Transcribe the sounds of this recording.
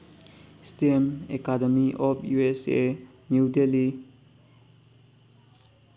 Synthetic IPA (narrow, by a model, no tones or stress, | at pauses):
stemekademiʔɔpʰjuese | nuwdeli